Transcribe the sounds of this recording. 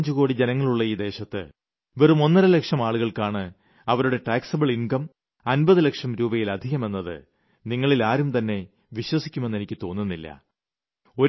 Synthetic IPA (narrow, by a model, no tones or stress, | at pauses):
ɲd͡ʑuɣo̞ːɽid͡ʑenɐŋːɐɭuɭːɐiːd̪e̞ːɕɐt̪ːɨ̰ | ʋerumo̞nːɐɾɐlekʂɐmaːɭuɣɐɭkaːɳɨ | ɐʋɐɾuɽe̞ʈaːksɐbɨɭinkɐm | ɐnbɐðɨlekʂɐmɾuːbɐjilɐd̪ʱiɣɐme̞nːɐðɨ̰ | niŋːɐɭilaːɾumt̪ɐnːe̞ | ʋiɕwɐsikʲːume̞nːe̞nikʲːɨt̪o̞ːnːunːilːɐ̰ | o̞